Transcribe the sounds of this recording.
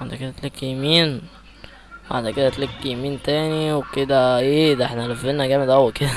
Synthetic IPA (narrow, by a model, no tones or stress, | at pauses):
aʕd̪æked̪æt̪liækːijemiːn | ba̰ʕd̪æked̪æt̪lækːijemiːnt̪æːniweked̪æʔeːd̪æʔeħnælæfːenæɡæːmed̪ʔæwːæked̪æ